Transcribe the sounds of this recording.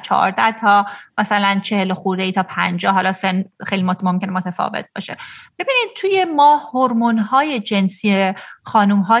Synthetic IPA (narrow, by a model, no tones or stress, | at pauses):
t͡ʃʰɒ̰ːɾd̪æht̪ʰɒːmæsælænt͡ʃʰe̞heloxuɾd̪eiːt̪ʰɒːpʰænd͡ʒɒːhɦɒlɒːsenxejlimomomcʲe̞nemot̪ʰefɒ̰ːvḛt̪̚b̥ɒ̰ːʃe̞b̥ebiːniːd̪̚t̪ʰuje̞mɒːhoɾmonhɒːje̞d͡ʒe̞nsiexɒːnumɦɒː